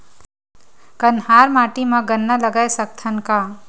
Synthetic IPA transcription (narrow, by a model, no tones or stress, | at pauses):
kənɦaːɾmaːʈimãɡənːaləɡaːesɐk̚t̪ʰənka